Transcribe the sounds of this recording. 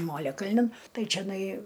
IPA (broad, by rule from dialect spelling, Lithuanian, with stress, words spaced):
ˈmoːlʲɛkɐlʲnʲɪn ˈtɐɪ t͡ʃʲɛˈnɐɪ